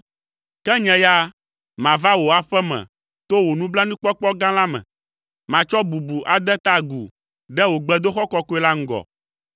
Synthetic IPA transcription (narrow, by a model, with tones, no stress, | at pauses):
kɛ˦ɲɛ̃˨ja˦ | mã˨va˦wo˨a˨ɸɛ˦mɛ̰̃˨ | t̪o˦wo˨nũ˦bla˦nũ˦k͡pɔ˦k͡pɔ˦ɡã˦lã˦mɛ̰̃˨ | mã˨t͡ʃɔ˦bu˨bu˨ʔa˨d̪ɛ˦t̪a˦ɡṵ˨ | ɖɛ˦wo˨ɡ͡bɛ˦d̪o˦xɔ˦kɔ˦ko˦ɛ˦la˦ŋ̩˦ɡɔ̰˨